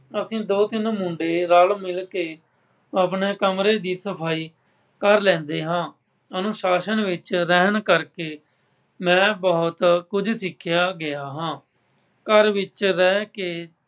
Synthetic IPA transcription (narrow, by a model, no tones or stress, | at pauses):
əsĩːd̪oːt̪ɪnmʊ̃ːɳɖeːɾaːlmɪlkeː | əːpɳeːkəmɾeːd̪iːsəpʰaːiː | kəɾlɛ̃ːnd̪eːɦãː | ənʊ̃ːʃaːʃənʋɪt͡ʃɾɛːɦnkəɾkeː | mɛ̃ːbɔːt̪kʊd͡ʒsɪkʰːjaːɡɪaːɦãː | kəɾʋɪt͡ʃɾɛːkeː